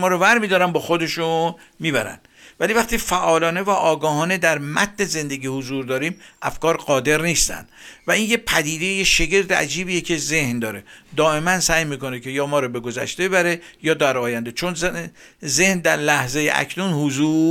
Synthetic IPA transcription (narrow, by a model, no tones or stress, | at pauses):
mɒːɾovæɾmid̪ɒːɾænbɒːxo̞d̪e̞ʃun | miːbæɾæ̰nd̪̥ | væliːvæχt̪iːfæʔɒːlɒːne̞væʔɒːɡɒːɦɒːne̞d̪æɾmæ̰t̪̚ʰne̞ze̞nd̪e̞ɡiːhozuːɾd̪ɒːɾiːmʔæ̰fkɒːɾɢɒːd̪e̞ɾniːst̪æ̰nd̪̥væiːnjepʰæd̪iːd̪ejjeʃeɟe̞ɾd̪eæ̰d͡ʒiːbiːjecʰe̞ze̞hnd̪ɒːɾe̞d̪ɒːe̞mænsæːjmiːko̞necʰe̞jɒːmɒːɾɔbe̞ɡozæ̰ʃt̪ebebæɾe̞jɒːd̪æɾɒːjænd̪et͡ʃʰon | ze̞hnd̪æɾlæhzejḛʔæ̰kʰnunhuzuː